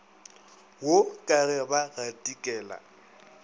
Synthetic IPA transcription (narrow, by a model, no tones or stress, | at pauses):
wokʼaɣɛbaɣatʼikʼɛːla̰